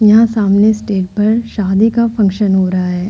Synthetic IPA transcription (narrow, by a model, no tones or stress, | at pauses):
jɐɦãsaːmnesʈeːʈ̚pɐɾʃaːd̪ikafɐ̃ŋkʃənɦoːɾɐɦaɦɛː